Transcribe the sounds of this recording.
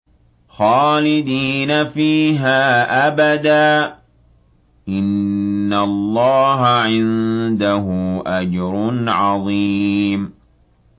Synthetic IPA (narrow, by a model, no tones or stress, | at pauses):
xɑːlɪd̪iːnafiːɦaːʔabad̪aː | ʔɪnːalˤːɑːɦaʕɪnd̪aɦʊʔad͡ʒɾʊnʕɑðˤiːm